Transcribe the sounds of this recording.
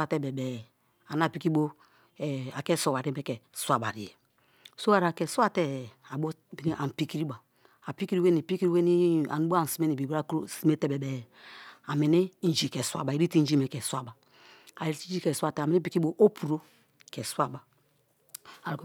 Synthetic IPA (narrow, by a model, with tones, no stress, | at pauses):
a˨tɛ˦bɛ˨bɛ˨ | a˨na˦˨pi˦ki˦o˦˨ | a˨kɛ˦so˨wa˨ɾi˦mɛ˦kɛ˨sa˦ba̰˨ɾḭ˨je˨ | so˦a˨ɾa˨kɛ˨swa˦tɛ˦˨a˨bo˦bi˨ni˦ʔa˨pi˦ki˦ɾi˦ba˨ | a˨pi˦ki˦ɾi˦we˦ni˨pi˦ki˦ɾi˦we˦ni˦a̰˨nu˦bo˦a˨si˦me˦ni˨bi˨bɾa˦ksi˦me˦te˦bɛ˨bɛ˨ | a˨me˨ni˦n̩˨d͡ʒi˨kɛ˨swa̰˦ba˨i˨ɾi˦ti˦n̩˦d͡ʒi˦me˨kɛ˨sʷa˦ba˨ | a˨i˨ɾi˦ti˦d͡ʒi˦kɛ˨swa˦˨tɛ˨me˨ni˦pi˦ki˦bo˦ʔo˦pʰu˨ɾo˦ | kɛ˨swa˦ba˨ | a˨ɾk